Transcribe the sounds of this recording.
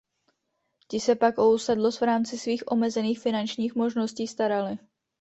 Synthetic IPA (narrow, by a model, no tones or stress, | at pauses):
cɪsɛpakowsɛdlosvɾaːmt͡sɪsviːxʔo̞mɛzɛniːxfɪnant͡ʃɲiːxmo̞ʒno̞sciːst̪aɾalɪ